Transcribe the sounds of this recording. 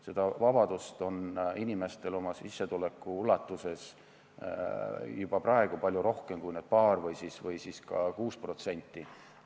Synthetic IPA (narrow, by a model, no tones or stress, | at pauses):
se̞d̪̥ɑvɑb̥ɑd̪̥ust̪o̞ninime̞st̪e̞lo̞mɑsisːe̞t̪ule̞kːˑuulːɑt̪ːuse̞s | jub̥ɑprɑe̞ɡ̥upɑlʲjuɾo̞hke̞mkujned̪̥̚pɑːrvɤjsisvɤjsiskɑkuːspro̞t̪se̞nʲt̪ːi